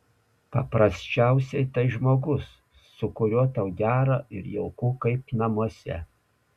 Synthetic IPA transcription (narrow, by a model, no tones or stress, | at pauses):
pɐpɾɐsʲt͡ʃʲæˑʊsʲɛɪt̪ɐɪʒmoːɡʊsː | ʊkʊɾʲuɔt̪ɐʊɡʲæːɾɑːɪɾjɛ̰ʊkuːkɐɪpnɐmuɔsʲɛ̰